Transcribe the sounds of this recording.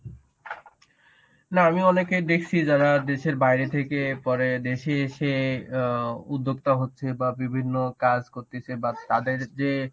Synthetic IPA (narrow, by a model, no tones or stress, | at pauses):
naamiɔneked̪ekʰt͡ɕʰid͡ʑaɾad̪eʃeɾbajɾet̪ʰekepɔɾed̪eʃeʃe | ud̪ʱːoɡ̚t̪aɦotːɕʰebabibʱinːokad͡ʑkoɾt̪et͡ɕʰebat̪ad̪eɾd͡ʑe